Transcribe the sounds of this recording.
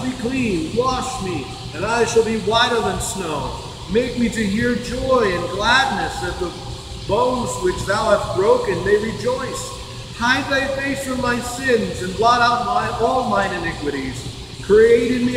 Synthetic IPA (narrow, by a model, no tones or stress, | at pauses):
lˠbikʰl̥ĩnwɑʃmi | ɨ̃naɪʃəlˠbiwaɪɾə˞ðɨ̃nsnoʊ | meɪk̚miɾɨɦiɹd͡ʒɔɪɨ̃nɡlædⁿnɨsʌv̚ðə | bõʊ̃nzwɨt͡ʃðaʊhæst̚b̥ɹoʊkɨ̃nmeɪɹid͡ʒɔɪs | haɪd̪̚ðaɪfeɪsfɹʌ̃mðaɪsɪ̃nzɨ̃nblɑɾaʊt̚baɪʔɔlˠmãɪ̃nɨnɪkwɨɾiz̥ | kʰɹ̥ieɪɾɨ̃n̚mi